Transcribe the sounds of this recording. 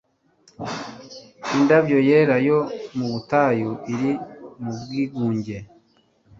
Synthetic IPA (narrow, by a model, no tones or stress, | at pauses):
indavjo̞je̞ɾajomuβutaːjuʔiɾimub̚ɡiːɡuːɲɟe̞